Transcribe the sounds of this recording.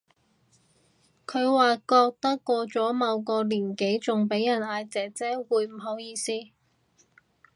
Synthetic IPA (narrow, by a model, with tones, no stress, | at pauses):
kʰɵ˨˧ɥwaː˨kɔː˧k̚t̪ɐ˥kːɔː˧t͡sɔː˨˥mɐ˨˧wkɔː˧liː˨˩nke˨˥jt͡sʊ˨ŋpe˨˥jːɐ˨˩naː˧jt͡sɛː˨t͡sɛː˥wuː˨˧jm̩˨˩ɦo˨˥wjiː˧siː˥